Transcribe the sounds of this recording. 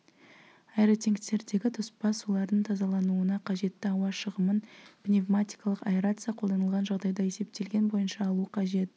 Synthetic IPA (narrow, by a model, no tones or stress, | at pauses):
ɑjɾot̪ʲeŋkt̪e̞ɾd̪e̞ɡʲɪt̪ʰʊspɑsulˠɑɾd̪əɴt̪ʰɑzɑlˠɑnuənɑqʰɑʒe̞t̪ːɪɑwɑʃəʁəmənpnʲevmat̪ʲi̥jkɑlˠəqapeɾat̪sɨjɑqʰolˠd̪ɑnəlˠʁɑnʒɑʁd̪ɑjd̪ɑe̞se̞p̚t̪e̞lɡʲe̞nbo̞jənʃɑːlˠuəqʰɑʒe̞t̪̚